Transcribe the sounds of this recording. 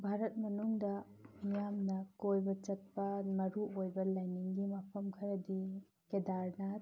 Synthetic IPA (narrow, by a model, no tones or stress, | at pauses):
bʱaɾɐt̚mɐnuŋdɐ | mijamnɐkojbɐt͡ʃɐt̚pɐmɐɾuʔojbɐlajniŋɡimapʰɐmkʰɐɾɐdi | kedaɾna